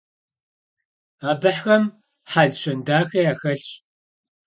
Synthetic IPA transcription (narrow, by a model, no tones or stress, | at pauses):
aːbɨħxɐm | ħaɮɕɐndaːxɐjaːxɐɬɕʼ